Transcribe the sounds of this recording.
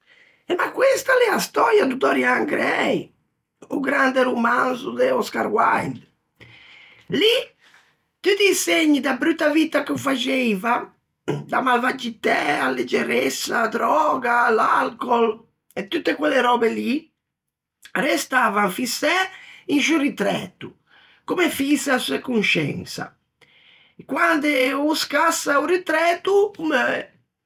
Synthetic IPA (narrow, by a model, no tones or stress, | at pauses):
emakːwest̪alɛast̪ɔɾjad̪ud̪ɔɾjaŋɡɾɛj | uɡɾand̪eɾumanzud̪eɔska̰ɾwa̰jnd̪ | li | t̪ut̪iseɲːid̪abɾyt̪ːavit̪akufad͡ʒejva | d̪amalvad͡ʒit̪ɛalːed͡ʒeɾesːad̪ɾɔːɡalalkɔl | et̪ːut̪ːekwɛlːeɾɔːbeli | rest̪aːvaɱfisɛinʃurit̪ɾɛ̰ːt̪ːu | kumefisasuekunʃɛ̰nsa̰ | kwand̪euskasauɾit̪ɾɛːt̪ukume